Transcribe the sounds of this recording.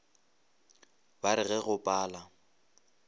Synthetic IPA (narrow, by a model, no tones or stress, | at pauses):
baɾɪɣɛɣʊpʼaːla